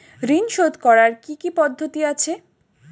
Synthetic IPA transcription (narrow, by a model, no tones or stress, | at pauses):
ɾinʃod̪kɔɾaɾkikipɔd̪ʱːot̪iat͡ɕʰe